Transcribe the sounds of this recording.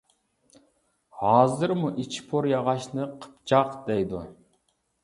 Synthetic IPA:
hɑːzɨɾmuʔit͡ʃʰi̥pʰoɾjɑʁɑʃnɨqʰə̥p̚t͡ʃʰɑqd̪̥ɛjd̪u

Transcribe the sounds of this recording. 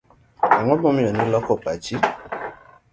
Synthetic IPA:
aŋ̃ɔ̃bɔ̃mĩjɔnĩlɔkɔpat͡ʃi

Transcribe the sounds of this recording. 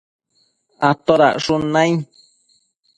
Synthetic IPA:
at̪oɾa̰ʔʂunãj̃

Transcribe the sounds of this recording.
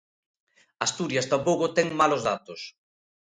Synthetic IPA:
ast̪uɾjɐst̪ampowkʊt̪ɛŋmalozða̰t̪ʊs

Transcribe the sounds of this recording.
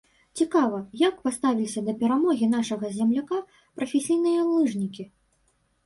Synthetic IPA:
t͡sʲikavɐjakpast̪avʲilʲisʲɐd̪ɐpʲɛɾamɔɣʲin̪aʂɐɣɐzʲɛmlʲaka | pɾɐfʲɛsʲijnɨjɐlˠɨʐnʲikʲi

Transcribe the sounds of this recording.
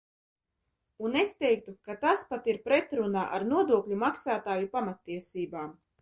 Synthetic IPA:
unest̪ɛjk̚t̪ukat̪aspat̪iɾpɾet̪ɾunaːʔa̰ɾnuɔd̪uɔklʲumaksaːt̪aːjupamat̪ːiɛsiːbaːm

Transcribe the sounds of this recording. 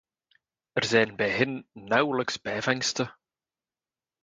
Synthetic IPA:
ərzɛjnbɛjɦɪnːœwləksbɛːvɛŋstə

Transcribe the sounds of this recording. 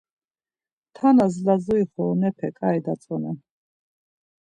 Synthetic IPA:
t̪ʰanazlazɔiχɔnɛpʰɛkʼaɛd̪at͡s̪ʼɔnɛ

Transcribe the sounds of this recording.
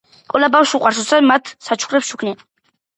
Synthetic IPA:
qʼɛlabawʃuqʼaɾʃɔsamat̪ʰsat͡ʃʰχɾɛpʃukʰni

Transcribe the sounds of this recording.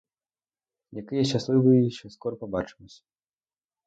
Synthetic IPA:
jakɨjɛɕʲaslˠɨvɨjɛɕɛskɔɾɔpabat͡ʂɨ̥musʲɐ̥

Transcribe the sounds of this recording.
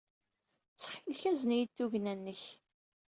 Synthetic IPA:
t͡sːħilçæznijit̪ːuʝnænːəç

